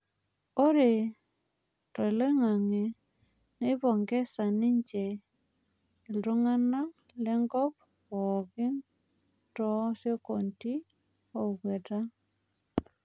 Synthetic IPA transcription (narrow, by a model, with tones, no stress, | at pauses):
o˦ɾe˨ | tɔ˨ɪ˨le˦ŋa˨ŋe˨ | ne˦bɔ˨ŋɡɛ˦sa˨nɪ˦ɲd͡ʒe˨ | i˨lɾo˦ŋa˦na˦ŋ | lɛ˦ŋɡɔ˦p̚ | ɔ˨ɡɪ˦n | tɔ˦sjo˦ko˨nti˦ | o˨ɡwe˨ta˦